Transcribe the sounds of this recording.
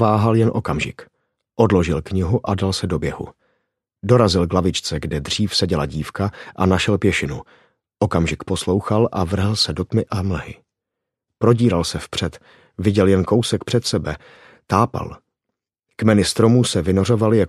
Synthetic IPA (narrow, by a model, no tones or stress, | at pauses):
vaːɦaljɛnʔo̞̰kamʒɪ̰k | ʔo̞dlo̞ʒɪlkɲɪɦuʔadalsɛdo̞bjɛɦṵ | do̞ɾazɪlɡlavɪt͡ʃt͡sɛɡdɛd̪r̝iːfsɛɟɛlaɟiːfkaʔanaʃɛlpjɛʃɪnu | ʔo̞kamʒɪkpo̞slo̞wxalʔavr̩ɦl̩sɛdot̪mɪʔaml̩ɦɪ̰ | pɾo̞ɟiːɾalsɛfpr̝̥ɛt̪ | vɪɟɛljɛnko̞wsɛkpr̝̥ɛt̪sɛbɛ | t̪aːpa̰l | kmɛnɪst̪ɾo̞muːsɛvɪnoro̞valɪjak